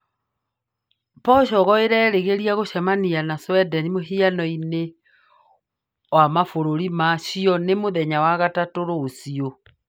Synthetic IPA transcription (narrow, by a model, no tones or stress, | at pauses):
pɔɕɔɣɔeɾɛːɾeɣeɾiaɣoɕɛmanianaswɛdɛnimoɦianɔine | wamafoɾoɾimaɕiɔnemoðɛɲawaɣatatoɾoːsio